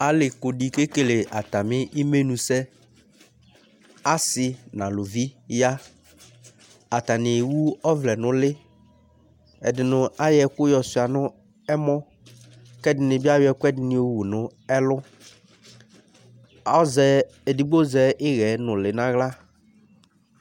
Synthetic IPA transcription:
a˨lɪ˨kʊ˨di˨ke˦ke˨le˨a˨t̪a˨mɪ̃˦ʔi˦me˦nũ˨sɛ˦ | a˦sɪ˨nã˨lʊ˨vi˦ja˦ | a˨t̪a˨nɪ̃˨wu˦ɔ˦vlɛ˨nʊ̃˦lɪ˦ | ɛ˨dɪ˨nʊ̃˨a˦jɛ˨kʊ˦jɔ˨sʊ˨a˨nʊ̃˦ | ɛ˦mɔ˦ | kɛ˦dɪ˨nɪ̃˨bi˦a˦jʊ˦ɛ˨kʷɛ˦dɪ˨nɪ̃˨o˨wu˨nʊ̃˦ɛ˦lʊ˦ | ɔ˦zɛ˨ | e˨di˨ɡ͡bo˦zɛ˨ʔɪ˦ɣɛ˨˦nʊ̃˨lɪ˨nã˦ɣla˦

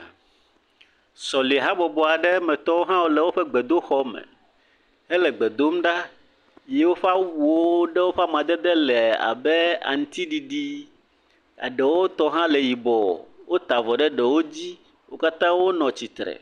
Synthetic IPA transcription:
sɔ˨li˨ɦa˦bɔ˨bɔ˨a˨ɖɛ˦mɛ̃˨t̪ɔ˦wo˦ɦã˦wo˦lɛ˨wo˦ɸɛ˦ɡ͡bɛ˨d̪o˦xɔ˦mɛ̰̃˨ | ɛ˦lɛ˨ɡ͡bɛ˨d̪o˦mɖa˦ | je˦wo˦ɸa˦wu˨o˦ɖɛ˦wo˦ɸa˦mã˨d̪ɛ˦d̪ɛ˦lɛ˨a̰˨bɛ˦a̰˨ŋ̩˦t̪i˦ɖi˨ɖi˦ | a̰˨ɖɛ˨wo˦t̪ɔ˦ɦã˦lɛ˨ji˨bɔ˨wo˦t̪a˨vɔ˨ɖɛ˦ɖɛ˨wo˦d͡ʑi˦ | wo˦ka˦t̪ã˦wo˦nɔ̃˨t͡ɕi˨t̪ɾɛ̰˨

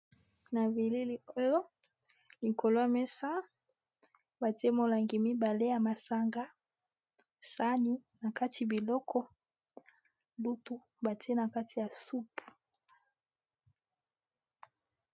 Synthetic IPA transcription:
na˨vi˨li˦li˨o˦jo˦ | li˨ko˨lo˦a˨mɛ˦sa˦ | ba˨te˦mo˨la˨ŋɡi˨mi˦ba˨le˦ja˨ma˨sa˦ŋɡa˦ | sa˦ni˦na˨ka˦tʰi˨bi˨lɔ˦kʰɔ˦ | du˦tu˦ | ba˨tʰi˦e˦na˨ka˦tʰi˨ja˨su˦pu̥˨

